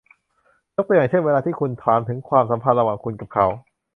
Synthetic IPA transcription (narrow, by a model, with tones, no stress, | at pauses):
jo˦˥t̪o˧ja˨˩t͡ɕʰe˥˩weː˧laː˧t̪ʰiː˥˩kʰu˧nt̪ʰaː˨˦nt̪ʰɯ˩˦ŋkʰwaː˧msa˩˦mpʰa˧nɾa˧waː˨˩ŋkʰu˧nka˨˩p̚kʰa˨˦˥w